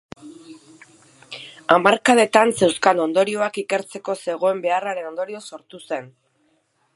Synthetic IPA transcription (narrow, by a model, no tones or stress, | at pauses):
amaɾkaðe̞t̪anse̞wskano̞nd̪o̞ɾio̞akike̞ɾt͡se̞ko̞se̞ɣ̞o̞e̞mbe̞araɾe̞no̞nd̪o̞ɾio̞so̞ɾt̪use̞n